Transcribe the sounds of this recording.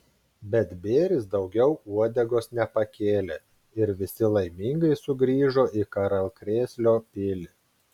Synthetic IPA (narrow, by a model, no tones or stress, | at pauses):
bʲɛt̪bʲeːɾʲɪsd̪ɒʊɡʲɛʊuɔd̪ʲɛɡoːsnʲɛpɐkʲeːlʲe | ɪɾʋʲɪsʲɪlˠɐɪmʲiŋɡɐɪsʊɡɾʲiːʒoːʔiːkɐɾɐlˠkɾʲeːsʲlʲoːpʲɪlʲɪ